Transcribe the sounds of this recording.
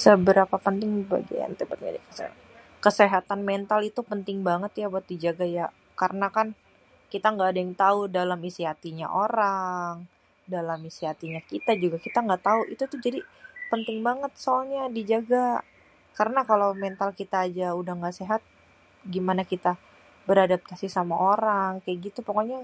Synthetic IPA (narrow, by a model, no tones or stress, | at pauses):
səbəɾapapənt̪ɪŋba̰ɡḭa̰nt̪əpət̪ɲa̰dikasḛ | kəseɦat̪anmɛnt̪alit̪upənt̪ɪŋbaŋət̪jabuat̪̚did͡ʒaɡaja | kaɾənakan | kit̪aŋɡaːdaŋt̪audalamisiɦat̪iɲa̰ʔoɾaŋ | dalamisiɦat̪iɲakit̪ad͡ʒuɡakit̪aŋɡaʔt̪auʔḭt̪ut̪ud͡ʒadipənt̪ɪŋbaŋət̪̚soɲadid͡ʒaɡa | kaɾənakalawmɛnt̪alkit̪aːd͡ʒaudahŋɡaʔseɦat̪̚ | ɡimanakit̪a | bəɾadap̚t̪asisamaʔoɾaŋkajaʔɡit̪upokoɲa